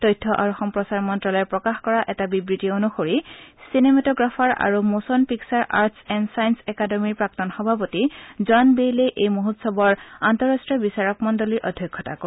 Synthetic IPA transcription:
tɔjtʰːɔʔaɹuxɔmpɹɔsaɹmɔntɹɔlɔjpɹɔkaxkɔɹaʔɛtabibɹitionuxoɹisinemɛtɔɡɹafʰɔɹa̰ɹumosɔnpiksaɹʔa̰ɹtsɛnsajnsɛkademiɹpɹak̚tɔnxɔbʱapotizanbeleʔejmoɦutsɔbɔɹantɔɹastɹiɔbisaɹɔk̚mɔndoliɹʔɔdʱjɔjkʰːɔta̰ko

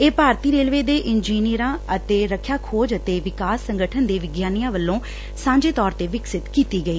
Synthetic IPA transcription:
eːpaːɾt̪iːɾeːlʋeːd̪eːʔɪnd͡ʒiːnijəɾãːət̪eːɾəkʰjaːkʰoːd͡ʒət̪eːʋɪkaːsːəŋɡəʈʰənd̪eːʋɪɡjaːnɪjãːʋəlːõː | sãːɲd͡ʒeːt̪ɔːɾt̪eːʋɪksɪt̪kiːt̪iːɡəiː

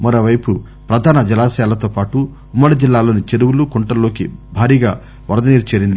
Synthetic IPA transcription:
mɐɾo̞ːʋɐjpu | pɾɐd̪ʱaːnɐd͡ʒɐlaːsɐjaːlɐt̪oːpaːʈuː | mːɐɽid͡ʒilːaːlo̞ːnit͡ʃeɾuwulukɔɳʈɐlːo̞ːkibʱaːɾiːɡa̰ː | ʋɐɾd̪ɐniːɾt͡ʃeːɾind̪i

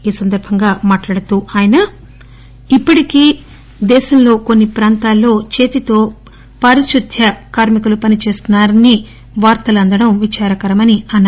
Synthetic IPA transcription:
iːsɐnd̪ɐɾbʱɐŋɡaːmaːʈlaːɽut̪uaːjɐnɐ | ipːɐʈikiː | d̪ɛːʃɐmlo̞ːko̞nːipɾaːnt̪aːlːo̞ːt͡ʃe̞ːt̪it̪o̞ː | pɐɾiʃud̪ʱjɐkaːɾmikɐlupɐnit͡ʃe̞ːst̪unːaːɾɐnːi | ʋaːɾt̪ɐlɐnd̪ɐɽɐmʋit͡ʃaːɾɐkɐɾɐmɐniɐnː

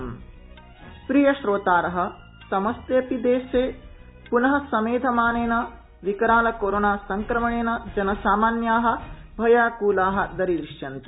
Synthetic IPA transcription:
pɾijɐʃɾoːt̪aːɾɐɦɐ̆ | sɐmɐst̪eːpid̪eːʃeː | punɐɦɐ̆sɐmeːd̪ʱɐmaːneːnɐ | ʋikɐɾaːlɐkoːɾoːnaːsɐŋkɾɐmɐɳeːnɐd͡ʒɐnɐsaːmaːnjaːɦɐ̆bʱɐjaːkuːlaːɦɐ̆d̪ɐɾid̪ɾiʂjɐnt̪u

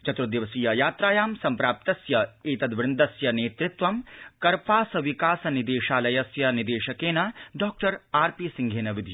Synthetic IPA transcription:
t͡ʃɐt̪ɾud̪iʋɐsiːjɐjaːt̪ɾaːjaːmsɐmpɾaːp̚t̪ɐsjɐiːt̪ɐd̪ʋɪɾnd̪ɐsjɐneːt̪ɾɪt̪ʋɐmkɐɾpaːsɐʋikaːsɐnid̪eːʃaːlɐjɐsjɐnid̪eːʃɐkeːnɐɖɔːk̚ʈɐɾaːɾpiːsiŋɡʱeːnɐʋid̪ʱij

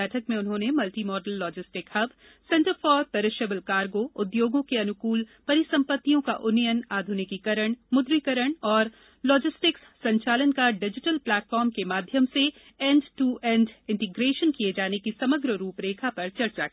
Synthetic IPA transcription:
ɛːʈʰəkmẽʊnɦõːnemɐlʈimɔːɖəlːɔːd͡ʒɪsʈɪkɐb | sɛ̃ɳʈəɾfɔːɾpɐɾɪʃəbəlkaːɾɡoːʊd̪joːɡõkeɐnʊkuːlpɐɾɪsɐ̃mpət̪ːijõka̰ʔʊnijənaːd̪ʱʊnikikɐɾəɽ̃mʊd̪ɾikəɾəɽ̃ɔːɾ | lɔːd͡ʒɪsʈɪkssɐ̃ɲt͡ʃaːlənkaɖɪd͡ʒɪʈəlplɛːʈfɔːɾmkemaːd̪ʱjəmse | ɛ̃ːɳɖʈuʔɛ̃ːɳɖɪ̃ɳʈɪɡɾeːʃənkijed͡ʒaːnekisɐməɡɾəɾuːpɾeːkʰapɐɾt͡ʃɐɾt͡ʃaki

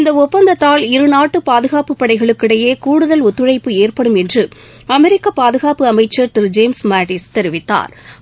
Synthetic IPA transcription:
ɪnd̪ɐɔpːɐnd̪ɐt̪ːaːlɪɾɯnaːʈːɯpaːðɯɣaːpɯpːɐɽɐɪɣɐɭɯkːɪɽɐjeːkuːɽɯðɐlʊt̪ːɯɻɐɪpːɯeːrpɐɽɯmɛndrɯ | ɐmɛɾɪkːɐpaːðɯɣaːpɯɐmɐɪt͡ʃːɐɾt̪ɪɾd͡ʒeːmsmaːʈɪst̪ɛɾɪʋɪt̪ːa̰ːɾ

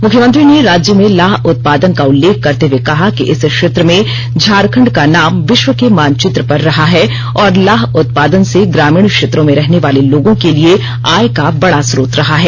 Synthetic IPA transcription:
mʊkʰjəmə̃nt̪ɾineɾaːd͡ʒjəmẽlaːɦʊt̪̚paːd̪ənkaʊlːeːk̚ʰːɐɾt̪ewekɐɦakiʔɪskʃeːt̪ɾəmẽ | d͡ʒʱaːɾkʰə̃ɳɖkanaːmʋɪʃwəkemaːnt͡ʃɪt̪ɾəpɐɾːɐɦaɦɛ | ɔːɾlaːɦʊt̪̚paːd̪ənseɡɾaːmiːɳ̃kʃeːt̪ɾõmẽɾɛɦneʋaːleloːɡõkelie | aːjkabɐɽasɾoːt̪ɾɐɦaɦɛː

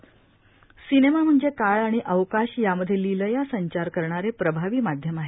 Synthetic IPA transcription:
sinemam̤əɳd͡zekaɭaɽ̃iʔəʋkaɕjaməd̪ʱːjeliləjasəɲt͡ɕaɾkəɾɳaɾepɾəbʱaʋiːmad̪ʱjəmaɦe

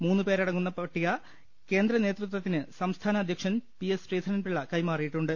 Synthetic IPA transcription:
muːnːuɨpeːɾɐɽɐŋːunːɐpɐʈːiɣɐ | ke̞ːnd̪ɾɐne̞ːt̪rut̪̬wɐt̪ːinɨsɐmst̪ʰaːnɐːd̪ʱjɐkʂɐnpiesreːd̪ʰʱɐnɐnpiɭːɐkɐjmaːrijiʈːuɳɖɨ

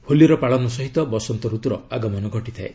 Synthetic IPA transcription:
holiɔɾɔpaɭɔnɔsɔɦit̪ɔbɔsɔnt̪ɔɾut̪ɔɾɔaɡɔmɔnɔɡʱɔʈit̪ʰae

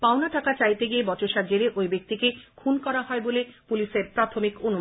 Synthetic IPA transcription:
paonaʈakat͡ɕajt̪eɡiebɔt͡ɕoʃad͡ʑeɾeʔojbek̚t̪ikekʰunkɔɾaɦɔebolepuliʃeɾpɾat̪ʰomikonum

